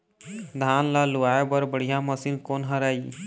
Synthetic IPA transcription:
d̪ʱaːnlalʊaːebəɾbəɽ̤ijaməsinkoːnɦəɾaːi

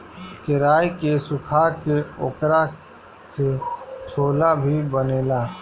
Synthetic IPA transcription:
kɪɾaːjkesʊkʰaːkeoːkɾa | set͡ʃʰoːlabʱibəneːlaː

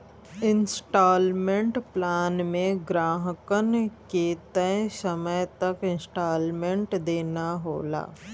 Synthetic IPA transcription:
ɪnsʈaːlmẽɳʈplaːnmẽɡɾaːɦəkənket̪ɛ̃səməjt̪ɐkɪ̃nsʈaːlmẽɳʈd̪eːnaɦo̰ːla̰ː

